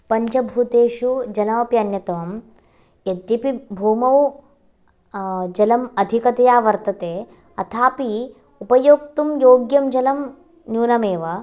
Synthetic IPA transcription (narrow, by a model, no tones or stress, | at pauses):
pɐɲt͡ʃɐbʱut̪eːʃud͡ʒɐnɐʋɐpjɐɐnjɐt̪ɐʋɐm | jɐd̪jipibʱuːmɐw | d͡ʒɐlɐmɐd̪ʱikɐt̪ɐjaːʋɐɾt̪ɐt̪eː | ɐt̪ʰaːpi | upɐjoːk̚t̪umjoːɡjɐmd͡ʒɐlɐm | njuːnɐmeːʋɐ